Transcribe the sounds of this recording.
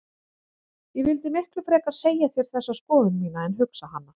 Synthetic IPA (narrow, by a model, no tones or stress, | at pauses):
jɛvɪlt̪ɪmɪhklʏfɾɛːkaɾ̥seːjaθeɾ̥θɛsːaskɔːðʏnmiːnaɛnɦʏksaɦanːa